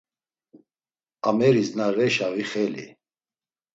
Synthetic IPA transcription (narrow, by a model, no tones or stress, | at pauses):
amɛɾiznaɾɛʃaviχɛlḭ